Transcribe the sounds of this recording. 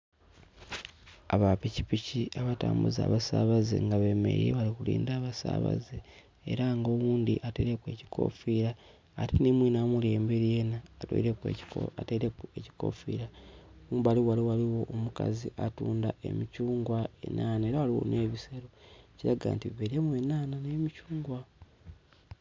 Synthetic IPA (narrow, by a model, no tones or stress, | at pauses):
aβapici̥piciaβataːmbṵza̰ːβasaːβazḛŋɡaβemḛɾḛβalikulḭːndaːβasa̰ːβa̰ze | ḛɾaŋɡo̞wuːnd̪iʔateɾekwe̞ːci̥kʰo̞̰fiɾaː | ɾinimwinamule̞ːmbeɾije̞naːtḛɾekweateɾekueci̥ko̞̰fiɾa | βaliwaliwaliwo̞ʔomuka̰ziʔatuːndae̞̰micuːŋɡwae̞̰nʔaːnaeɾawaliwo̞̰neːβiseɾociɾaɡa̰ːntiβeɾiemwenaːnanemicuːŋɡwa